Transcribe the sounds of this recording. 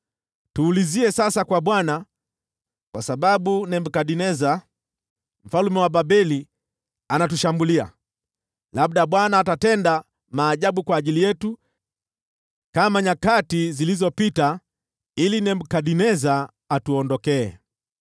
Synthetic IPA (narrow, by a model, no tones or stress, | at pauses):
tuːliziɛsasakwaɓwana | kwasaɓaɓunɛmbukaɗinɛza | m̩falumɛwaɓabɛli | anatuʃambulia̰ | lab̚ɗaɓwanaːtatɛnda | maːʄaɓukwaːʄilijɛtu | kamaɲakatizilizɔpita | ilinɛmb̩kaɗinɛzaː | tuɔndɔkɛ̰ː